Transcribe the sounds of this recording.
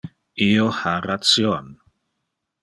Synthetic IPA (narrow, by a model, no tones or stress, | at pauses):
ioharat͡sjon